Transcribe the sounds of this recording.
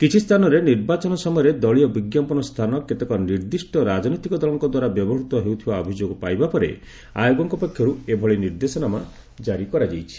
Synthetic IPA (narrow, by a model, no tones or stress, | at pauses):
kit͡ʃʰist̪ʰanɔɾeniɾbat͡ʃɔnɔsɔmɔjɔɾed̪ɔɭiɔbiɡjampɔnɔst̪ʰanɔket̪ekɔniɾd̪isʈɔɾad͡ʒɔnɔt̪ikɔd̪ɔlɔŋkɔd̪waɾabjɔbɔɦut̪ɔɦewt̪ʰibaɔbʱid͡ʒoɡɔpajbapɔɾḛ | a̰joɡɔŋkɔpɔkʰjɔɾuebʱɔɭiniɾd̪esɔnama | d͡ʒaɾikɔɾad͡ʒejt͡ʃʰi̥